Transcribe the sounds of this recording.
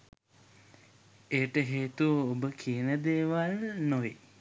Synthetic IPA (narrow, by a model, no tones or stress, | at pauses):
ejəʈəɦeːt̪uəobəkʰiənəd̪eːʋalnoʋe